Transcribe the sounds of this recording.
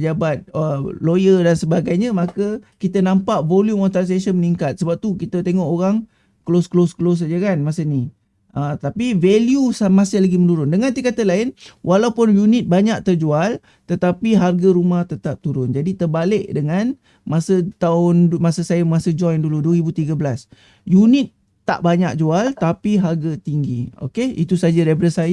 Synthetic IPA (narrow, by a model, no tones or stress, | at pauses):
əd͡ʒabat̪̚əlojədansəbaɡajɲəmakəkit̪ənampaʔvoljumɔnt̪as̬esənməniŋkat̪̚səbap̚t̪ukit̪ət̪eŋɔʔoɾaŋ | klosklosklos̬ad͡ʒəkanmasəni | ʔət̪apiveljusamasɪhlaɡimənuɾʊndəŋãnt̪ikat̪əlaɪnwʔalawpʊnjunɪt̪̚baɲak̚t̪ərd͡ʒual | t̪ət̪apiɦarɡaɾumaht̪ət̪ap̚t̪uɾʊnd͡ʒadit̪ərbalɪʔdəŋan | masət̪aʊnmasəsajamasəd͡ʒɔjnduluduəɾibut̪iɡabəlas | junɪt̪̚ː | a̰ʔbaɲak̚d͡ʒualt̪apiɦarɡat̪iŋɡio̰keḭt̪usad͡ʒəɾebɾəsaj